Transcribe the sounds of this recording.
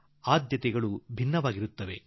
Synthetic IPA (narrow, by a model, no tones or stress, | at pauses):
aːd̪jɐt̪ɛɡɐɭubʱinːɐʋaːɡiɾut̪ːɐʋe̞